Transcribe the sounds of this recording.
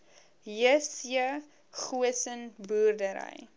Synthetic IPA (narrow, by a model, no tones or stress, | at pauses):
iəsiə | χuəsənbuːrdəɾə̰j